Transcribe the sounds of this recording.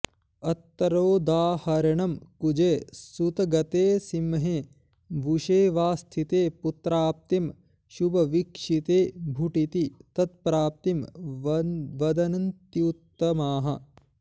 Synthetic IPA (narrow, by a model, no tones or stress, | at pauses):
ɐt̪ːɐɾoːd̪aːhɐɾɐɳɐmkud͡ʒeːsut̪ɐɡɐt̪eːsimːɦe | bʱuʃeːʋaːst̪ʰit̪eːput̪ɾaːp̚t̪im | ʃubɐʋikʂit̪eːbʱuʈit̪it̪ɐt̪̚pɾaːp̚t̪im | ʋɐd̪ɐnɐnt̪jut̪ːɐmaːɦɐ̰